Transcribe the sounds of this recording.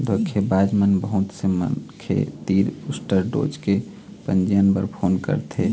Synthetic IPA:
d̪okʰebad͡ʒmənbəɦut̪semə̰nkʰḛt̪iːɾusʈəɾɖo̰ːd͡ʒke | pənd͡ʒijənbəɾpʰoːnkə̰ɾt̪ʰe

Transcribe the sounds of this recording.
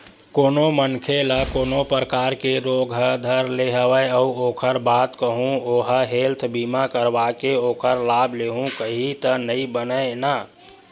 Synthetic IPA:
koːnomənkʰeləkoːnopɾəkaɾkeɾoɡʱɦəd̪ʱəɾleɦəwəeəuokʰəɾbat̪kəɦũoɦəɦelt̪ʰbimakəɾbakeoːkʰəɾlabʱleɦũkəɦit̪ənəibənəena

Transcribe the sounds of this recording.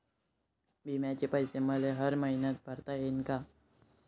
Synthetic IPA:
bʱimjãt͡ɕepəjseməleɦəɾməɦinət̪̚bʱəɾt̪aɦeɪnka

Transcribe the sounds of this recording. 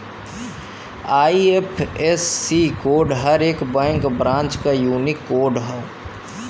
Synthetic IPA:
aːiepʰesːikoːɾɖɦəɾeːkbɛ̃ːŋkbɾãːnt͡ʃkajuːnɪkːoːɾɖɦəo

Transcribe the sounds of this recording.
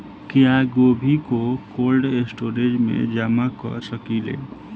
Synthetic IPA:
kjaɡoːbʱikokoːlɖesʈoːɾed͡ʒmḛ̃d͡ʒamakɔ̰ɾsəkilḛ

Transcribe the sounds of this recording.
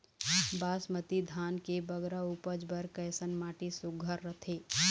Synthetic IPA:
baːsmət̪id̪ʱaːnkebəɡɾauːpəd͡ʒbəɾkəːsənmaːʈisʊɡʱəɾːət̪ʰeː

